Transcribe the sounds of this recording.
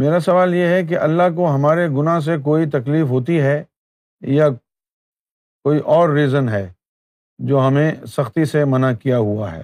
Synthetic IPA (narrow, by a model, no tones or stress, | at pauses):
meːɾasɐʋaːljeɦɛk̬eʔɐlːaɦkoɦɐmaːɾeɡʊnaɦs̬ek̬oːit̪ɐkliːfɦoːt̪̬iɦɛ | ja | koːiʔɔːɾːiːzənɦɛː | d͡ʒoːɦɐmẽsɐxt̪isemɐnakijaɦua̰ɦɛ̰ː